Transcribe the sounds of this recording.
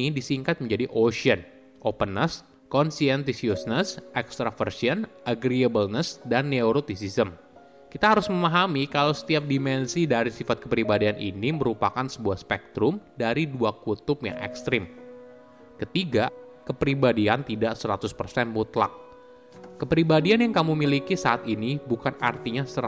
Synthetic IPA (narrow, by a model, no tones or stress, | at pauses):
idisiŋkat̪̚məɲd͡ʒadiʔosiən | ʔopənəs | kɔnsiɛnt̪̬isiusnəsʔɛkst̪ɾafərsiənʔaɡɾiəbəlnəsdanːeuɾot̪isisəm | kit̪aɦaɾʊsməmaɦamikalawsə̥t̪iap̚dimɛnsidaɾisifat̪̚kəpɾibadianʔiniməɾupakansəbuahspɛk̚t̪ɾʊmdaɾiduakut̪ʊpja̰ŋʔɛ̰kst̪ɾɪm | kət̪iɡa | kəpɾibadiant̪idaʔsəɾat̪ʊspərsɛnmut̪la̰k̚ː | əpɾibadianjaŋkamumilikisaːt̪inibukana̰rt̪iɲasəɾ